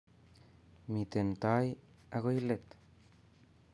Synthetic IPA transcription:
mit̪ent̪aj | aɣojlet̪

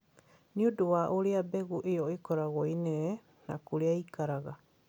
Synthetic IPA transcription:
niuduaʔuɾiabeɡuʔioikoɾaɣojne | na̰kuɾiaikaɾaɡa

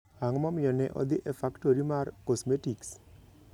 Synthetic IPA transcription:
aŋmɔmɪjɔnɛ̰ʔɔ̰d̪iʔefakʈoɾimarkɔsmetiks

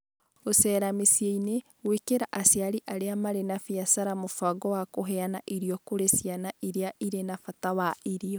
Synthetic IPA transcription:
osɛɾamesjeine | ɣwekeɾaʔasjaɾiʔaɾeamaɾenafiasaɾamofaɡɔwakoɦɛanaʔiɾiɔkoɾesianaʔiɾeaʔiɾenafatawaiɾiɔ

